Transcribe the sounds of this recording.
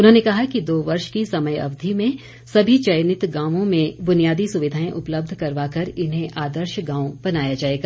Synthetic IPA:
ʊnɦõːnekɐɦakid̪oːʋɐɾʃkisɐməjɐ̰ʋd̪ʱimẽ | sɐbʱit͡ʃɐjnɪt̪ɡãːʋõmẽbʊnijaːd̪isʊʋɪd̪ʱaːẽʔʊpləb̚d̪ʱkɐɾʋaːkɐɾɪnɦẽʔaːd̪əɾʃɡãːõbɐnaːjad͡ʒaːeːɡaː

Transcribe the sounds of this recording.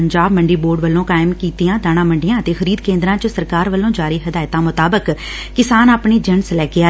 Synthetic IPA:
əɲd͡ʒaːbməɳɖiːboːɾɖʋəlːõːkaːɪmkiːt̪ɪjãːd̪aːñãːməɳɖɪjãːət̪eːxəɾiːd̪kẽːnd̪ɾãːt͡ʃəsəɾkaːɾʋəlːõːd͡ʒaːɾiːɦəd̪aːɪt̪ãːmʊt̪aːbəkː | ɪsaːnaːpɳeːd͡ʒəɳslɛːkɪaː

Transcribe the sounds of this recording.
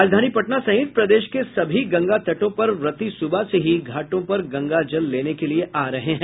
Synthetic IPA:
aːd͡ʒd̪ʱaːnipɐʈnasɐ̃ɦɪt̪̚pɾɐd̪eːʃkesɐbʱiɡɐ̃ŋɡat̪ɐʈõpɐɾʋɾɐt̪isʊbaseɦiɡʱaːʈõpɐɾɡɐ̃ŋɡad͡ʒɐlːeːnekelieʔaːɾɐɦeɦɛ̃

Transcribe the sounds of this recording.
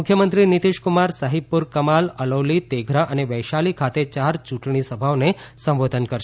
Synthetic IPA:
ʊkʰjəmənt̪ɾinit̪iʃkumaɾsaɦib̚puɾkəmaləlowlit̪eɡʱɾaʔəneʋəjʃalikʰat̪et͡ʃaɾt͡ʃũʈɳ̃isəbʱaʋnesə̃mʋod̪ʱənkəɾʃ

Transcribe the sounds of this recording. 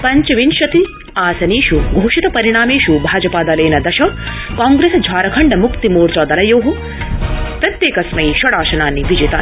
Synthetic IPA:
pɐɲt͡ʃɐʋinʃɐt̪i | aːsɐniːʃuɡʱoːʃit̪ɐpɐɾiɽ̃aːmeːʃubʱaːd͡ʒɐpaːd̪ɐːlɐːnɐd̪ɐʃɐ | kaːŋɡɾeːsd͡ʒʱaːɾɐkʰɐɳɖɐmukt̪imoːɾt͡ʃɐːd̪ɐlɐjoːɦu | pɾɐt̪jeːkɐsmɐjiʃɐɽaːʃɐnaːnːiʋid͡ʒeːt̪a̰ː

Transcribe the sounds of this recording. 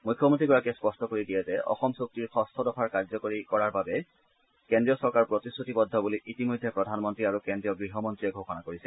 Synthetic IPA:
mujkʰːɔmontɹiɡɔɹakɛspɔstɔkoɹidijɛzɛʔɔ̰xɔmsok̚tiɹxʰɔstʰɔdɔpʰaɹkaɹzɔkoɹikɔɹaɹbabɛ | kendɹijɔsɔɹkaɹpɹotisːutibɔd̪ʱːɔbuliʔitimojdʱːɛpɹɔdʱanmɔntɹiaɹukendɹiɔɡɹiɦɔmɔntɹijɛɡʱoxɔnakoɹisɛ

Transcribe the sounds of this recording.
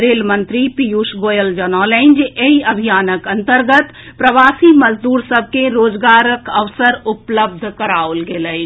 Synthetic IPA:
ɾeːlmə̃nt̪ɾipijuːʃɡoːjəld͡ʒənɔːlɛ̃ɪ̃nd͡ʒeiɐbʱijaːnəkɐ̃nt̪əɾɡət̪ | pɾəʋaːsiməzd̪uːɾsəb̚ʱkeɾoːd͡ʒɡaːɾəkəʋsəɾʊpləb̚d̪ʱkəɾaːolɡeləi

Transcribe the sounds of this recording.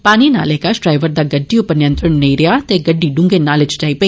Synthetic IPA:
paːnina̰ːlekasʈɾaːɪʋəɾd̪aːɡəɖːiʊpənɪjə̃nt̪ɾəɳneiɾɪaːt̪eɡəɖːiːɖʊ̃ŋɡenaːlɪt͡ʃʈaːipɐi

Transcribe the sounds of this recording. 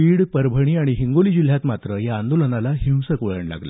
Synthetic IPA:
iːɽpəɾbʱəɽ̃iːaɽ̃iɦiŋɡolid͡ʑil̤jat̪mat̪ɾəjaːnd̪olənalaɦĩwsəkʋəɭəɳla̰ɡla̰

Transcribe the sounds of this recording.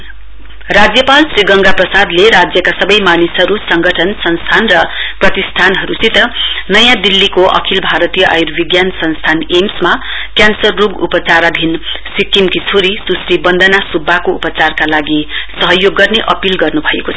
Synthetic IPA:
rad͡zjʌpalsriɡʌŋɡaprʌsad̪leɾad͡zjʌkasʌbʌjmanisɦʌɾusʌŋɡʱʌʈʰʌnsʌnst̪ʰanrʌprʌt̪ist̪ʰanɦʌɾusit̪ʌnʌjãd̪ilːikoʔʌ̰kʰilbʱaɾʌt̪ijʌʔa̰jurbiɡjansʌnst̪ʰanemsmakjansʌrːuɡṵpʌt͡saɾad̪ʱinsikimkit͡sʰoɾisusribʌnd̪ʱanasubʱːakoupʌt͡sarkalaɡisʌɦʌjoɡːʌrneʔʌpilɡʌrnubʱʌekot͡sʰʌ

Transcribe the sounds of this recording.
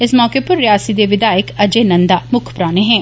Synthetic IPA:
ɪsmɔːkepəɾːɪjaːsiːd̪eːʋɪd̪aːɪkəd͡ʒeːnənd̪aːmʊkʰpɾaːneːɦɛ̃ː

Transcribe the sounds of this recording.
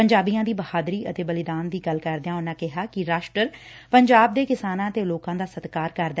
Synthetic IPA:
pəɲd͡ʒaːbijãːd̪iːbəhaːd̪ɾiːʔət̪eːbəlɪd̪aːnd̪iːɡəlkəɾd̪eãːʊnãːkɪɦaːkɪɾaːʃʈɾəɾ | pəɲd͡ʒaːb̚d̪eːkɪsaːnãːət̪eːloːkãːd̪aːsət̪kaːɾkəɾd̪

